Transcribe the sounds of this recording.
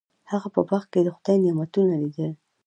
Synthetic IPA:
haɣapə̰baxked̪əxʊd̪ajnɪmat̪unalid̪əl

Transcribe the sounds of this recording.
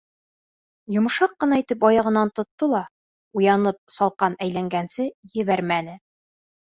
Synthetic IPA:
jŏmɤ̆ʃɑqːɤ̆nɑit̪ɘpɒjɑʁɤ̆nːɑnt̪ŏt̪ːɤlˠɑ | ujɑnɤp̚sɒlˠqɑnæjlæŋɡænsɘjɘ̆βæɾmænɘ

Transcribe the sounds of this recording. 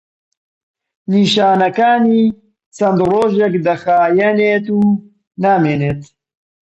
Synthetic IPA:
niːʃaːnɐkaːniː | t͡sɐnd̪roːʒekd̪ɐxaːjɛneːt̪uː | naːmeːneːt̪

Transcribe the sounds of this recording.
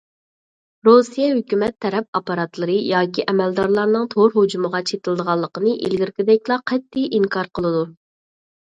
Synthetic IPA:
ɾosijɛɦøkʲymɛt̪ʰːɛɾɛp̚ɑpɑɾɑt̪lˠɨɾɨjɑːkʲiʔɛmɛld̪ɑɾlˠɑɾnɨŋt̪ʰoɾɦod͡ʒuməʁɑt͡ʃʰet̪ɨlˠd̪əʁɑlˠːəqənɨʔḭlɡʲiɾkʲɪd̪ɛkʲlˠɑqʰɛt̪ʰːijiŋkʰɑɾqʰəlˠɨd̪u

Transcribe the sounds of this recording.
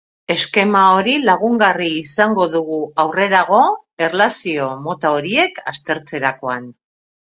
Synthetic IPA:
e̞ske̞mao̞ɾilaɣ̞uŋɡariːsaŋɡo̞ðuɣuawre̞ɾaɣ̞o̞ | e̞rlasio̞mo̞t̪ao̞ɾie̞kast̪e̞ɾt͡se̞ɾako̞an

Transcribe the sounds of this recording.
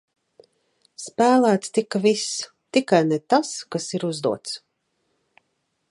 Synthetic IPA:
spæːlˠæːt̪st̪ikavis | t̪ikajnɛt̪askasiɾuzd̪uɔt̪s

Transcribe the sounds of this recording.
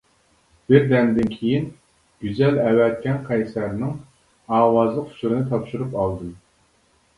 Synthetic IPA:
b̥ɪɾd̪ɛnd̪ɪnkʲʰejin | ɡ̥ʲyzɛlɛwɛt̪̚kʲɛnqʰɛjsæɾnɪŋ | ɑːwɑzlˠəqhu̥suɾɨnɨt̪ʰɑpʃuɾupɑlˠd̪ɨm

